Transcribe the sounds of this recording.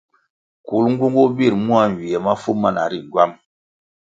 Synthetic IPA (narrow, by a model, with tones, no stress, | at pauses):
ku˨lŋ˦ɡu˦ŋɡu˦bi˦˨ɾmu˦a˦n˨wi˨ɛ˨ma˦fu˦ma˦˨na̰˨ɾi˦˨ɟwa˦m